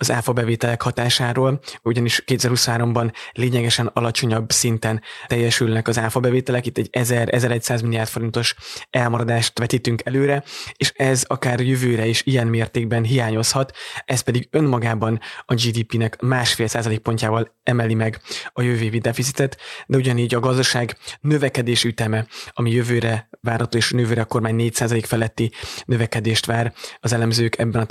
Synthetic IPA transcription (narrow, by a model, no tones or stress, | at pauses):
ɒzaːfobɛveːt̪ɛlɛkhɒt̪aːʃaːɾoːluɟɒniʃkeːt̪ɛzɛɾrhusɒnɦaːɾo̞mbɒnleːɲɛɡɛʃɛnɒ̰lɒt͡ʃo̞ɲɒbsint̪ɛnɛjːɛʃylnɛkɒzaːfobɛveːt̪ɛlɛkit̪ːɛɟːɛzɛɾɛ̰zɛɾɛc̚saːzmilijaːrt̪fo̞ɾint̪o̞ʃɛlmɒɾɒd̪aːʃt̪ʋɛt̪it̪yŋkɛløːɾɛeːʃɛzɒkaːrjøvøːɾɛeːʃijɛnmeːrt̪eːɡ̚bɛnɦijaːɲo̞shɒt̪ɛspɛd̪iɡø̞nmɒɡaːbɒnɒd͡ʒiːd̪iːpinɛkmaːʃfeːlsaːzɒleːk̚po̞ɲcaːvɒlɛmɛlimɛɡɒjøveːvid̪ɛfitsit̪ɛt̪d̪ɛuɟɒniːɟɒɡɒzd̪ɒʃaːɡnø̞vɛkɛd̪eːʃiyt̪ɛmɛɒmijø̞vøːɾɛvaːrhɒt̪oːeːʃnøvøːɾɛko̞rmaːɲneːcsaːzɒleːkfɛlɛt̪ːinø̞vɛkɛd̪eːʃt̪ʋaːrɒzɛlɛmzøːkʰɛbːɛnɒ